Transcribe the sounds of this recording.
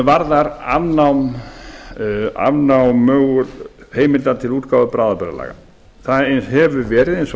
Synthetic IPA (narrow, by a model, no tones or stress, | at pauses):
vaɾðaɾa̰vnawm | a̰vnawmːœːɣʏɾheːjmɪlt̪at̪ʰɪluːt̪kaːwðʏpɾaːðapɛɾa̰la̰ːɣa̰ | θanhɛvʏɾvɛːɾɪðens